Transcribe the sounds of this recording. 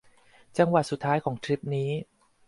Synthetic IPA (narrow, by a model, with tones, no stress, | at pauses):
t͡ɕa˧ŋwa˨˩t̪̚su˨˩t̪ʰːaː˦˥jkʰɔː˩˦ŋt̪ʰɾi˦˥p̚niː˦˥